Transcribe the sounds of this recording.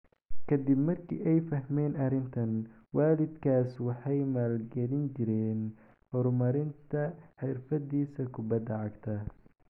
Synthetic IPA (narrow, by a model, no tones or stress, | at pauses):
kʰɐd̪ɪbmɐrkʰḭːʔɛjfɐɦmɛːnɐrɪnt̪ʰɐn | waːlɪd̪kʰaːswɑħɑjmaːlɡɛlɪnt͡ʃɪɾɛːn | hɔɾmɐɾɪnt̪ʰɐħɪrfɐd̪iːsɐkʰʊbɐd̪ɐʕɑɡt̪ʰɐ